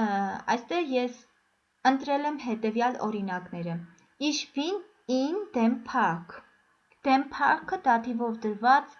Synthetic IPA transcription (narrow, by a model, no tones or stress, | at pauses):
ɑ̰jst̪ɛʁjɛs | ənt̪ɾɛlɛmɦɛt̪ɛvjɑlɔ̰ɾinɑknɛɾə | iʃpin | ind̪ɛmpʰɑkʰ | d̪̥ɛmpʰɑkʰəd̪ɑt̪ʰivɔvd̪əɾvɑt͡s